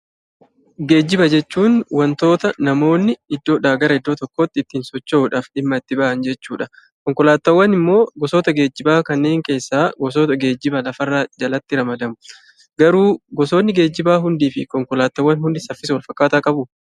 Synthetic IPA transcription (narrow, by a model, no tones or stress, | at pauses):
ɡe̞ːd͡ʒːɪbɐd͡ʒɛt͡ʃːuːnwɐnt̪o̞ːt̪ɐnɐmo̞ːnːɪɪd̪ːo̞ːᶑaːɡɐɾɐɪd̪ːo̞ːt̪ɔkːoːt̪ːɪːt̪ːiːnsɔt͡ʃːoːᶑaːfᶑɪmːɐɪt̪ːɪbaʔɐnd͡ʒɛt͡ʃːuːᶑɐ | kɔŋkɔlaːt̪ːɐwːɐnɪmːo̞ːɡɔso̞ːt̪ɐɡe̞ːd͡ʒːɪbaːkɐnːe̞ːŋke̞ːsːaːɡɔs̬o̞ːt̪ɐɡe̞ːd͡ʒːɪbɐlɐfɐrːaːd͡ʒɐlɐt̪ːɪɾɐmɐd̪ɐmʊ̥ | ɡɐɾuːɡɔso̞ːnːɪɡe̞ːd͡ʒːɪbaːɦʊnd̪iːfɪkɔŋkɔlaːt̪ːɐwːɐnɦʊnd̪ɪsɐfːɪsɐwɐlfɐkːaːt̪aːkʼɐbʊ